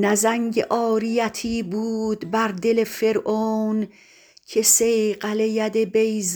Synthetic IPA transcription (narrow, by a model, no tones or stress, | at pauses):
næzæŋɟḛʔɒːɾijæt̪ʰiːbuːd̪bæɾd̪elefeɾʔoːn | cʰesejɢælejæd̪ebejz